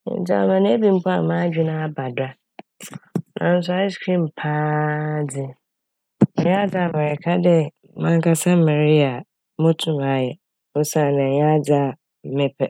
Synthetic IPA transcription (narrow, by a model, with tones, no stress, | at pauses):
d͡za˦˨a˨mã˨nɪ̃˦e˦bĩ˨m̩˦pa˦a˨mã˦d͡ʑᶣɪ˦nã˦a˦ba˨da˦ | nʔã̰˨n̩˦s̬ʊ˦a˦ɪ˦skʰɾĩ˦m̩˨pʰaː˦d͡zɪ˦ | ɔ˨ɲ˦a˦d͡za˨mɛ̃˨ɾɛ˨kʰa˦dɛ˦ | mã˨ŋ˦kʰa˨sã˦m̩˦mɛ̃˨ɾi˦a˨ | mʊ̃˦tʰũ˦ma˨˦jɛ˨ | o˦sã˦˨nɪ̃˨ɲ˦a˦d͡za˦˨ | m̩˨mɪ̃˦pʰɛ˨